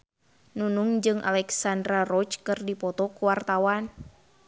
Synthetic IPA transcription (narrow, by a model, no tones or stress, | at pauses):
nunuŋd͡ʒɨŋʔa̰lɛksandɾarɔt͡ʃkɨrdipɔt̪ɔkuwart̪awan